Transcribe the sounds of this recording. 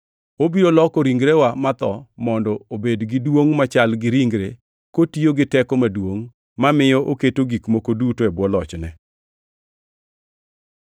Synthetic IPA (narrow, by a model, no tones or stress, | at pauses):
obiɾolɔkoɾiŋɡɾewamat̪ɔmɔndɔobedɡɪdwoŋmat͡ʃalɡɪɾiŋɡɾe | kotioɡɪtɛkɔmadwoŋ | mamɪjɔʔoketoɡikmokodutoɛbwɔlɔt͡ʃnɛ